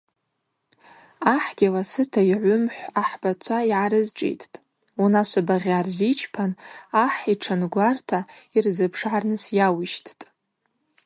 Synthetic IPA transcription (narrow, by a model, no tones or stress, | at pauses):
aħɡ̥ʲɪlasɨtʰaiʕʷʊmħʷaħb̥at͡ʃʷʰaiʕaɾɨzʈ͡ʂʼḛjtʰtʼ | unaʃʷabaʁʲarzit͡ʃʰpʰanaħiʈ͡ʂʰanɡʷartʰairzɨpʰʂʕarnɨsjawiʃtʰtʼ